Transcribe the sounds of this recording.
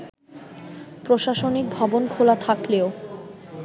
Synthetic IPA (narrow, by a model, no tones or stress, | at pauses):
pɾoʃaʃonik̚bʱɔbonkʰolat̪ʰakleo